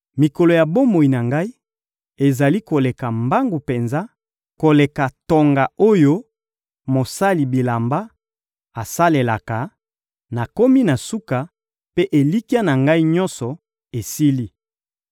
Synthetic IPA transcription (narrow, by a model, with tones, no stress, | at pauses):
mi˨kɔ˨lo˨ja˨bo˦mo˨i˨na˨ŋɡa˦i˦ | e˨za˨li˦ko˨le˨ka˨mba˦ŋɡu˨pe˨nza˦ | ko˨le˨ka˨to˨ŋɡa˨o˦jo˦ | mo˨sa˦li˨bi˨la˨mba˦ | a˨sa˦le˨la˨ka˨ | na˨ko˦mi˦na˨su˦ka˨ | pe˦ʔe˨li˦ki˦a˦na˨ŋɡa˦i˦ɲɔ̃˦nsɔ˨ | e˨si˦li˦